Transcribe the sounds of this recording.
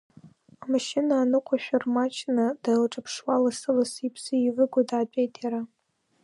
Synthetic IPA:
amaʃɪnaːnɨqʷʰaʃᶣarmat͡ʃʰnadalʈ͡ʂʼapʰʂwalasɨlasipʰsɨiʕʷɨɡʷadaːt͡pʼejtʰʼjaɾa

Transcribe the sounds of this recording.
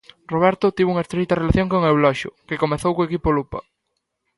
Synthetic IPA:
roβ̞ɛɾt̪ʊt̪iβuŋɐest̪ɾit̪ɐrelaθjoŋkoŋewlɔʃʊ̰kekomeθowkoekipolupɐ̰

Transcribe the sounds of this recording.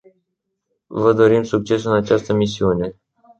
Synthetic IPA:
vəd̪o̞ɾimsuk̚t͡ʃe̞sɨnat͡ʃast̪əmisiune̞

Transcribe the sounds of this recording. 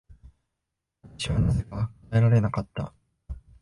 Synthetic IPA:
ɕiβanazeɡakaeɾaɾe̞nakat̪ːa̰

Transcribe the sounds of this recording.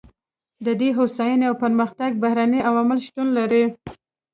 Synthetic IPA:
d̪əd̪eɦosɑjaneawpəɾməxt̪aɡ̚bahɾaniawamɪlʃt̪unlaɾi

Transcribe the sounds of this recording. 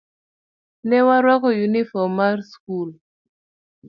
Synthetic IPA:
nɛwaɾwakojunifɔmaɾskul

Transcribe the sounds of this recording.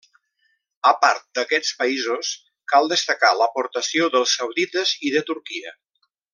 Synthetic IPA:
əpaɾt̪̚d̪əkɛt͡spəizos | kalˠd̪əst̪əkaləpoɾt̪əsioðəlˠsːəwðit̪əziðət̪uɾkiə̰

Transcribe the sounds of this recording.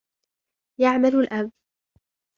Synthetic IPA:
jaʕmalʊlʔab

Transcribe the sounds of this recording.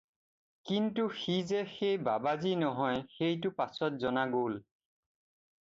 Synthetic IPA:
kintuxizexejbabazinɔɦɔjxejtʊpasɔtzɔnaɡol

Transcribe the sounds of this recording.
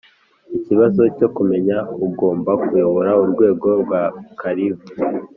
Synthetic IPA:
iciβazo̞co̞kume̞ɲauɡo̞ːmbakujo̞βo̞ɾauɾɡwe̞ːɡo̞ɾɡwakʰaɾiβu

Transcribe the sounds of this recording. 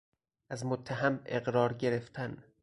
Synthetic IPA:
ʔæzmot̪ʰːæɦæme̞ɣɾɒːɾɟe̞ɾe̞ft̪ʰæn

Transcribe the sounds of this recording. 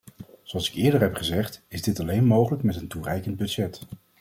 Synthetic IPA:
zoɑlˠsɪ̥kɪːɹdəɹɦɛpχəzɛχtɪzdɪtɑlejnmowχələkmɛtənturɛjkənd̚bɵdʒɛt

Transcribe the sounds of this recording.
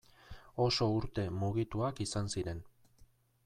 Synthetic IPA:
o̞so̞uɾt̪e̞muɣit̪uakisansiɾe̞n

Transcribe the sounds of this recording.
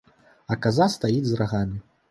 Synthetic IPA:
ɐkazast̪ajid͡zʲzraɣamʲi

